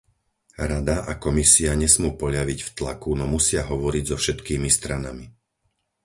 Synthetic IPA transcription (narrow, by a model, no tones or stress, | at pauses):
ɾad̪aʔakɔmisiaɲɛsmuːpɔʎaʋicft̪lakunɔmusɪaɦɔʋɔɾiɟzɔfʃɛt̪kiːmist̪ɾanami